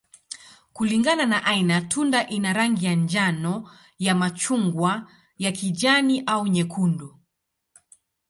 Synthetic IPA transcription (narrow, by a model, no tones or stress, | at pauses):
kuliŋɡananaʔainatʰundaʔinaɾaŋɡijand͡ʒanɔ | jamat͡ʃuŋɡwa | jakid͡ʒaniʔauɲɛkʰundu